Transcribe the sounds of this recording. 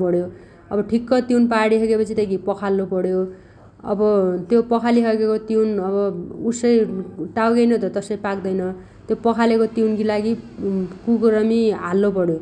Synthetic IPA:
pʌɽjo | ʌbʌʈʰikːʌt̪iwnpaɽiɦʌɡepʌt͡sʰit̪ʌjɡipʌkʰalːopʌɽjo | ʌ̰bʌt̪jopʌkʰaliɦʌɡekot̪iwnʌbʌusʌjʈawɡʌjnʌt̪ʌt̪ʌsʌjpakd̪ʌjnʌ | t̪jopʌkʰalekot̪iwnkilaɡikuɡɾʌmiɦalːopʌɽjo

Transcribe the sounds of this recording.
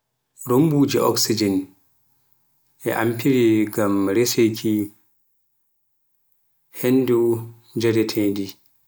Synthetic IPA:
ɾombud͡ʒiʔɔ̰ksid͡ʒɛn | ɛ̰ʔa̰mpiɾiɡamɾesekʰi | henːdu | d͡ʒadɛtʰɛdi

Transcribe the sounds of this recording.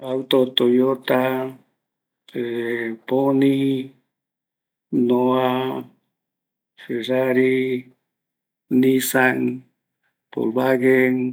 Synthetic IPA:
awt̪ot̪ojot̪a | eponi | noa | feɾaɾi | nisaŋ | po̰lbaɡeŋ

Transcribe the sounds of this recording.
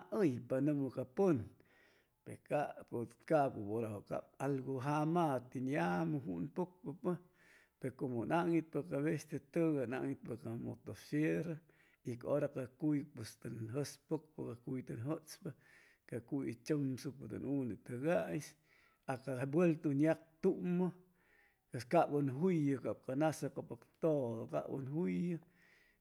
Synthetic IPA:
aʔəjpanumokapon | pekapokaʔpapoɾaoka̰palɡoɦamat̪injamɨɦunpok̚papə | peɾkomonaʔŋit̪̚pakaβest̪et̪əɡana̰ʔŋit̪̚pakamo̰t̪ofjeɾa | ikaoɾakakujpest̪ɨnɦəspok̚pɨkakujt̪ɨnɦət͡spɨ | kakujit͡ʃomsupad̪ṵnund̪it̪əɡajs | akaabwelt̪unjak̚t̪uʔma | peskaʔbənɦujɨkap̚kanasapapakt̪od̪oka̰ʔbə̰nɦujɨ

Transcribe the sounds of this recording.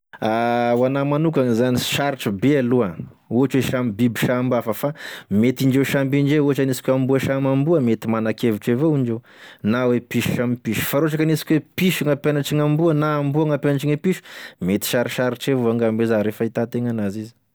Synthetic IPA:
awanamanukaŋizaniʃaɾiʈ͡ʂubealua | uɦaʈ͡ʂweʃamibibiʃambafəfamet̪iɳd͡ʒewʃambiɳd͡ʒeuɦaʈ͡ʂanisi̥kʲwambuəʃamambuəmet̪imanakeviʈ͡ʂevoiɳd͡ʒew | nawepiʃu̥ʃamipiʃu̥faɾoaʈ͡ʂakanisi̥kʲwepiʃuŋapjanaʈ͡ʂiŋambuənaːmbuaŋapjanaʈ͡ʂiŋepiʃu̥met̪i̥ʃaɾiʃaɾiʈ͡ʂevoaŋɡambezaɾefait̪at̪eŋanazizi̥

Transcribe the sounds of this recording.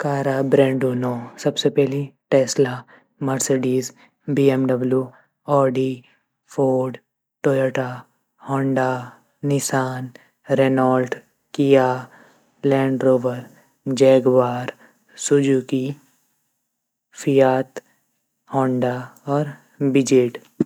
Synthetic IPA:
kaːɾabɾɛ̃ːɳɖuːnosɐbsepɛɦliʈɛːsla | mɐɾseɖiːz | biɛmɖɐbljuː | ɔːɖi | fʰoːɖ | ʈoːləʈa | hɔ̃ːɳɖa | nɪsaːn | ɾenɔːlʈ | kija | lɛ̃ːɳɖɾoːʋəɾ | d͡ʒɛːɡʋaːɾ | sʊd͡ʒuːki | fʰijaːt̪ | hɔ̃ːɳɖaɔːɾ | bɪd͡ʒeːʈ

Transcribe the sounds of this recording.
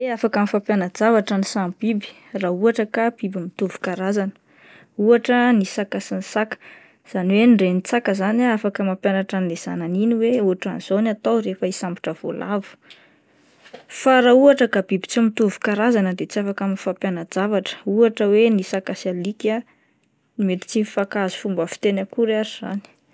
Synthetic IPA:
eafakamifapjanəd͡zavaʈ͡ʂanisambibi̥ | rauaʈ͡ʂəkab̥ibimit̪uvu̥kaɾazanə̥ | uaʈ͡ʂənisakasinsakə̥ | z̥aniwenɖ͡ʐenit͡sakəzanaafakəmampjanaʈ͡ʂanilez̥a̰naniniweuaʈ͡ʂa̰nz̥onat̪awɾefəisambi̥ʈ͡ʂəv̥o̰lʔavu̥ | faɾauaʈ͡ʂəkab̥ibi̥t͡simit̪uvu̥kaɾazanəd̪et͡siafakamifapjanad͡zavaʈ͡ʂə̥uaʈ͡ʂəwenisakasalika | met̪i̥t͡sinifakazu̥fumbəfi̥t̪enakuɾaɾiz̥a̰ni̥

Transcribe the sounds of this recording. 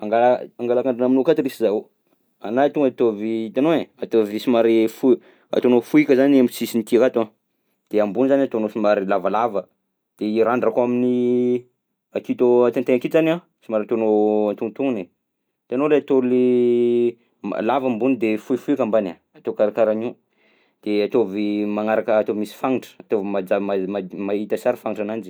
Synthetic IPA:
aŋɡalaaŋɡalakaɳɖ͡ʐinaminokat̪iɾisizao | a̰naat̪uŋat̪ovit̪anoeat̪ovisimaɾifu | a̰t̪onofuikʲəzanamisisinit̪iakat̪oa | d̪̥eambunizaniat̪onosimaɾilavalavə | d̪̥eiɾaɳɖ͡ʐakamini | ak̪it̪oat̪int̪eakizana | simaɾat̪onoant̪unt̪uŋne | t̪ianoleat̪oli | lavambunid̪efuifuikambana | at̪okaɾakaɾani | d̪̥eat̪ovimaŋaɾakəːt̪ovimisi̥faŋiʈ͡ʂə̥at̪ovimad͡zamaamait̪əsaɾifaŋiʈ͡ʂanand͡ʒi̥

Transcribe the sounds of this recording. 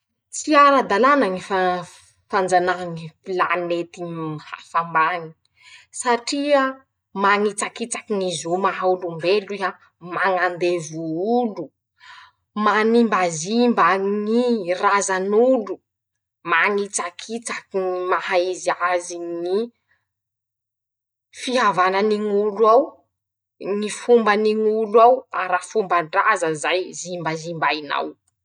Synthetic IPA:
t͡siaɾad̪alanaŋifa | fand͡zanaŋipilanet̪iha̰fambaŋi̥ | saʈ͡ʂia | maŋit͡sakit͡sakinizomaɦaulumbelia | maŋand̪evuulu | manimbazimbaŋirazanulu | maŋit͡sakʰit͡sakiŋimaɦaiziaziŋi | fiɦavananiŋulwaw | ŋifumbaniŋulawaɾafumbəɳɖ͡ʐazəzajzimbazimbajna̰w

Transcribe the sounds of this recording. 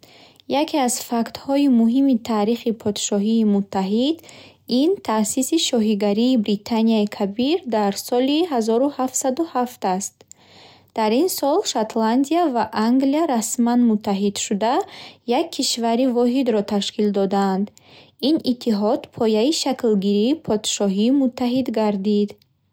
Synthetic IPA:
jakʰiazfakt̪hɔimuɦimit̪ʰaːɾiχipʰɔd̪ʃɔɦiːmut̪ʰːaɦid̪ | int̪ʰasisiʃɔɦiɡaɾiːbɾit̪ʰaniaikʰabiɾd̪aɾsɔliɦazɔɾuhaft̪sad̪uhaft̪ast̪̚ | d̪̥aɾinsɔlʃat̪land̪iavaʔaŋɡliaɾasmanmut̪ʰːaɦid̪ʃud̪ajakʰːiʃvaɾivɔɦid̪ɾɔt̪ʰaʃkʰild̪ɔd̪aːnd̪ | init̪ʰːiɦɔd̪pʰɔjaiʃaklɡiɾiːpʰɔd̪̥ʃɔɦiːmut̪ʰːaɦid̪ɡaɾd̪id̪

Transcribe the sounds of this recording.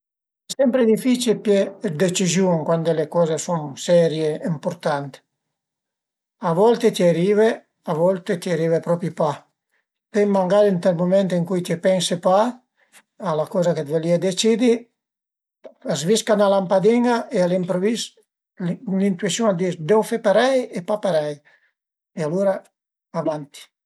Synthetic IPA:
ɛsɛmpɾed̪ifit͡ʃilpjed̪et͡ʃizjuŋkwand̪elekɔːzesunsɛɾjeimpuɾt̪ant̪ | avɔlt̪et̪iaɾiːve | avɔlt̪et̪iaɾiːvepɾɔpipa | pemaŋɡaɾint̪elmumɛnt̪iŋkujt̪epɛnsepa | alakɔzaket̪veliad̪et͡ʃid̪i | azviskanalampad̪iŋaʔealimpɾovis | lint̪wisjuŋad̪isd̪ɛwfepaɾɛjepapaɾɛj | ealuːɾa | avant̪i̥

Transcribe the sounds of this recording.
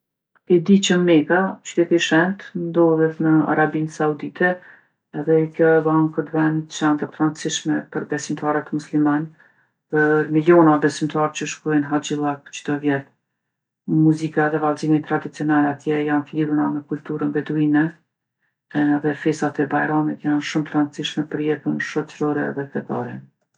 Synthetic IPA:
ɛd̪it͡ʃəmɛkaʃt̪ɛt̪iʃɛnt̪nd̪ɔðɛt̪nəa̰ɾabinsaud̪it̪ʰɛ | ɛðɛkjɔbaŋkət̪vɛnt͡ʃant̪əp̪ɾant͡siʃmɛpəɾbɛsimt̪aɾət̪musliman | pəɾmiljɔnabɛsimt̪aɾt͡ɕəʃkɔjnɦad͡ʒilˠakt͡ʃd̪ɔvjɛl | muzikaðɛvalzimit̪ːɾad̪it͡siɔnalat̪jɛjanfliɾunamɛkulʲt̪uɾənvɛd̪uinɛ | ðɛfɛsat̪ɛbajɾamit̪janʃumt̪ɾant͡siʃmɛpəɾjɛt̪ənʃɔt͡ʃɾɔɾɛðɛt̪ɛt̪ɔ̰ɾɛ

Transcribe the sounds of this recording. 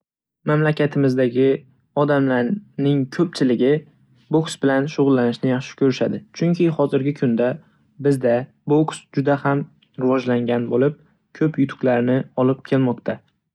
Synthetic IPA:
mamlakʲʰat̪ʰɪmɪzd̪aɡʲɪ | ɒd̪amlaɾnɪŋkʲʰɵp̚t͡ʃʰɪlɪɡʲɪ | boksbɪlanʃʊʁʊlːanɪʃnɪjɑχʃɪ̥kʲʰɵɾɪʃad̪ɪt͡ʃʰʊŋkʲʰɪhɒzɪɾɡʲɪkʰʊnd̪a | bɪzd̪a | boksd͡ʒʊd̪aham | ɾɪvɒd͡ʒlaŋɡʲanbolɪp̚ | kʲʰɵpjʊt̪ʰʊ̥kʲlaɾnɪɒlɪp̚kʲʰe̞lmɒqt̪ʰa

